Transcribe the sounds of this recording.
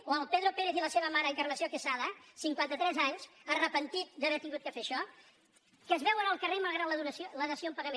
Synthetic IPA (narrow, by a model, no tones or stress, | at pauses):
oəlˠpeðɾupeɾeθiləseβəmaɾəːŋkərləsiokəsaðəsiŋkwant̪ət̪ɾɛzaɲzərəpənt̪it̪̚dəβɛɾt̪iŋɡut̪̚kəfeʃɔ | kəzβɛwənəlˠkəremɐlˠɣɾad̪ləðuɾəsoləðəsijoəmpəɣəme